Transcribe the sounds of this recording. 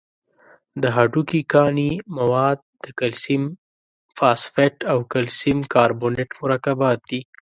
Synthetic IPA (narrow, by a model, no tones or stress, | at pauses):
d̪əɦaɖukikɑnimawɑd̪̚d̪əkalsim | fɑsfeʈawkalsimkɑɾboneʈmʊɾɑkabɑt̪̚d̪i